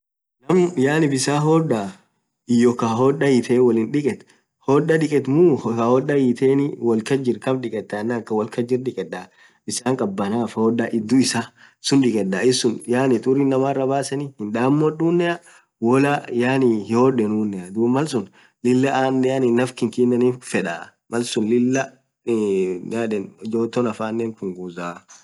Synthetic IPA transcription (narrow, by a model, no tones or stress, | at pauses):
nɐmjaːnɪbɪsaːɦɔːᶑːa | ɪjɔkaɦoːᶑːɐjɪt̪ʰɛːwɐlɪnᶑɪkʼɛt̪ | hoːᶑːɐᶑɪkʼɛt̪muahɔɗːɐjit̪ʰeːnɪwɐlkɐd͡ʒɪɾkɐmᶑɪkʼɛt̪ːɐnːɐkːɐwɐlkɐd͡ʒɪɾᶑɪkʼɛᶑːa | b̥ɪsaːŋkʼɐbːɐnaːfhoːᶑːaʔɪd̪ːʊɪsaː | sʊnᶑɪkʼɛᶑaːɪsːʊnjaːnɪt̪ʼʊɾinːɐmaːrːɐbaːsɐnihɪnᶑaːmːɔɗuːnːɛɐ | wɔlajaːnihoːɗɛnuːnːɛɐd̪umɐlsʊn | lɪlːɐaːnːɛjanɪnːɐfkɪŋkiːnːɐniːffɛᶑaː | mɐlsʊnlɪlːɐ | jaːᶑɛnd͡ʒoːt̪ːɔnɐfaːnːeːŋkʊŋɡuːzaː